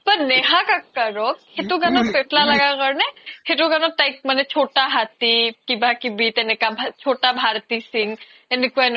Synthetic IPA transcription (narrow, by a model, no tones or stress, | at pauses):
pɐɾneɦakakːəɾokhet̪uɡanopeʈʰlalɐɡakəɾneheʈuɡanot̪aik̚manet͡ʃʰoʈaɦat̪ikibʱakibit̪enekabʱat͡ʃʰoʈabʱaɾt̪isiŋ | enekuan